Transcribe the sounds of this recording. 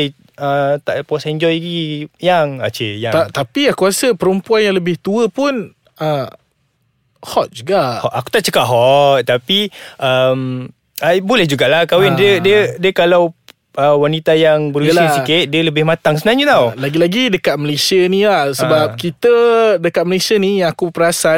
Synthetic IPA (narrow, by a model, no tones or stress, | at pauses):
j | ət̪aʔpuasaɛɲd͡ʒɔjɡijaŋa̰t͡ʃḛjaŋat̪apiahkuasəpəɾəmpuanjaŋləbɪht̪uəpʊn | ə | hɔt̪̚d͡ʒuɡahɔʔaku̥t̪aʔt͡ʃəkaʔɦɔt̪̚t̪apiʔəm | abolɛhd͡ʒuɡaʔlahkawɪndədiədiəkalaw | əwanit̪ajaŋbəɾuslisikɪt̪̚diələbɪhmat̪aŋsəbənaɲət̪awlaɡilaɡidəkat̪̚məlesiənĩlahsəbap̚kit̪ədəkat̪̚məlesiənijaŋakupəɾasa